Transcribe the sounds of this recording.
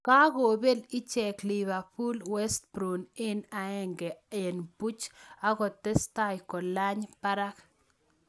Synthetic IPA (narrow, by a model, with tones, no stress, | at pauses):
ka˦ɣo˨be˦lɪ˦t͡ʃɛ˨kli˨βa˨pu˦lwɛ˦st̚bɾu˨nɪ˦na˨ɛ˦ŋɡɛ˨e˨nbu˦t͡ʃa˦ɣɔ˨tɛ˦sta˦jkɔ˨la˦ɲpa˦ɾa˦k